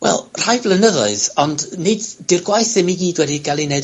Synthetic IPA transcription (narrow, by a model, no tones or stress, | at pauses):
wʔɛ̰lˠr̥ajblˠənəðɔɨðɔndnɪddɪrɡwajθɪmiɡiːdwɛdiɡalˠinɛd